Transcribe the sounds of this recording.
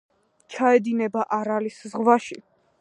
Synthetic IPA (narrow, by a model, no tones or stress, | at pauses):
t͡ʃʰaɛd̪inɛbaʔaɾaliszʁwaʃḭ